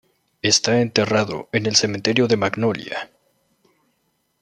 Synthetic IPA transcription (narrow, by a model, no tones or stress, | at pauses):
e̞st̪ae̞nt̪e̞raðo̞̰ene̞lse̞ment̪e̞ɾjo̞ðe̞maɡno̞lja̰